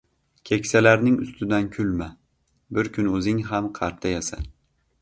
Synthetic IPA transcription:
kʲʰekʲsalaɾnɪŋʊ̰st̪ʰɪd̪ankʲʰʊlma | bɪɾkʲʰʊnɵzɪŋɦamqʰɑɾt̪ʰajasa̰

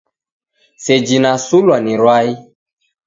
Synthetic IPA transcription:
sed͡ʒinasulwanĩɾwai

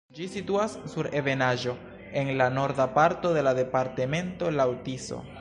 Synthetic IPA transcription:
d͡ʒisituasːuɾe̞ve̞naʒo̞ | e̞nlano̞ɾdapaɾto̞de̞lade̞paɾte̞me̞nto̞lawtiso̰

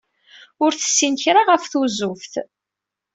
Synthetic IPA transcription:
ʊɾθə̥sːinçɾaʁəfθuzʊfθ

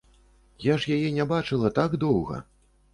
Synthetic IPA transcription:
jaʐjajɛnʲabat͡ʂɨlˠɐt̪aɡd̪ɔwɣɐ̰

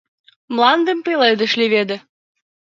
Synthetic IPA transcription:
mlɑnd̪əmpeled̪ə̆ʃlʲiβed̪ɘ̆

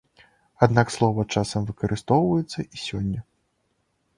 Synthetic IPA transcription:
ad̪nakslˠɔvɐt͡ʂasɐmvɨkɐɾɨst̪ɔwvɐjɛt̪sːɐʔisʲɔnʲːɐ

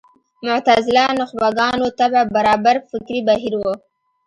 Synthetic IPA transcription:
mʊʕt̪azɪlanʊxbaɡɑnot̪ababaɾɑbaɾfɪkɾibaɦiɾwə

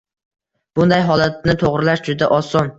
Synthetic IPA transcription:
b̥ʊnd̪ajɦɒlat̪̚nɪt̪ʰoʁɾɪlaʃd͡ʒʊd̪aʔɒsɒn

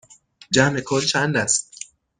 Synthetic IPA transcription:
d͡ʒæmekʰɔːlt͡ʃʰænd̪æst̪̚

